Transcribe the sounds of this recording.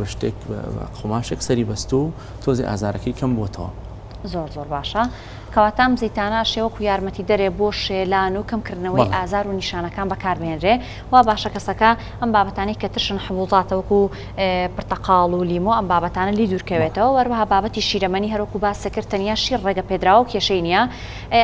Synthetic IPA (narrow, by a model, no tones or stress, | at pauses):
bɐʃt̪ḛkqʰomaːʃeksɐɾibɐst̪u | t̪ʰozḛʔa̰ːzaːɾʔɐkʰɐjkʰɐmbot̪ʰɐwɐ̰ | zoɾzoːɾbaːʃɐ | kʰɐwaːt̪aːʔɐmzijt̪aːnɐʔɐʃewɐkuːjaːɾmɐt̪id̪ɐɾeboːʃeːlaːnukʰɐmkɨɾd̪nɐwɐlʔaːzaːɾuniʃaːnɐkaːnbɐkʰaːɾbɨheːnd̪ɾe | waːbaːʃɐkɐsɐkɐ | ʔɐmbaːbɐt̪aːnɐjkɐt̪ɨɾʃɨnħʊbuzˤɑːt̪ɐwɐku | pɨɾt̪ɐqʰɑːlˠuliːmoʔɐmbaːbɐt̪aːnɐliːd̪uːɾkɐwet̪ɐwɐwhɐɾwɐɦaːbaːbɐt̪iʃiːɾɐmɐniɦɐɾwɐkubaːsekɨɾt̪ʰɐnjaːʃirreːɡɐped̪ɾaːwɐwkʰeʃejnija